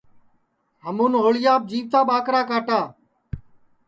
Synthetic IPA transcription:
ɦəmuːnɦoːɭɪjaːb̚d͡ʒiːʋt̪aːɓaːkɾaːkaːʈaː

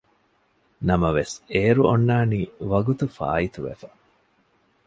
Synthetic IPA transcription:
nɐmɐʋeseːɾuonːaːniːʋɐɡut̪ufa̰ːit̪uʋḛfɐ̥

